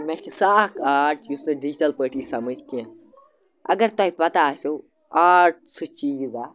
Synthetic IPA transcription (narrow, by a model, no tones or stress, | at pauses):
mɛt͡ʃʰisaːkʰaːʈʰjusnɨɖid͡ʒiʈɐlpəːʈiːsɐməd͡ʒkiẽ | ɐ̰ɡɐɾt̪ɔɦipɐt̪aːso | aːʈ̚sɨt͡ʃiːzaː